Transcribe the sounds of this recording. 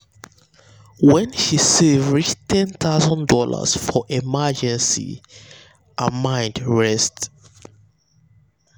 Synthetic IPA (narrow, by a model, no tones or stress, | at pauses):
wɛ̃nʃisevɹit͡ʃtʰɛ̃nt̪aʊzɔ̃ndɔla̰sfɔʔimad͡ʒɛ̃nsḭ | ʔamãɪ̃ndɹɛst